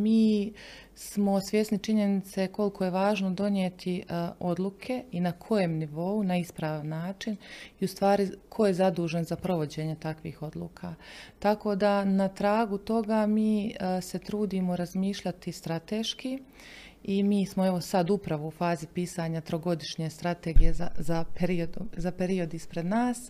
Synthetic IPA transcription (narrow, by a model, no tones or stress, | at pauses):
miː | smo̞sʋje̞snit͡ʃiɲe̞nit̪se̞ko̞lkʰo̞je̞ʋaːʒnod̪o̞njet̪ʰio̞d̪lˠukʰe̞inakʰo̞jemniʋo̞unaispɾaːʋanːaːt͡ʃiniust̪ʋaːɾikʰo̞je̞zad̪uːʒenzapɾo̞ʋo̞d͡ʑe̞ːɲet̪akʋḭːxo̞d̪lˠṵːkʰaːt̪ako̞ːd̪anat̪ɾaːɡut̪o̞ɡamiːse̞t̪ɾuːd̪imo̞ɾazmiːʃʎat̪ist̪ɾat̪e̞ːʃki | imiːsmoe̞ʋo̞sad̪upɾaʋoufaːzipiːsaɲat̪ɾo̞ɡo̞d̪iʃɲeːst̪ɾat̪eɡije̞zazapeɾiod̪uzapeɾio̞d̪ispɾe̞d̪naːs